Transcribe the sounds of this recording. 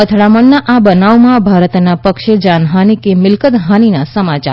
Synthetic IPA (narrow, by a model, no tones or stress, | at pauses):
ət̪ʰɭaməɳːaʔabənaʋmãbʱaɾət̪napəkʃed͡ʒanɦanikemɪlkət̪ɦaninasəmat͡ʃa̰ɾ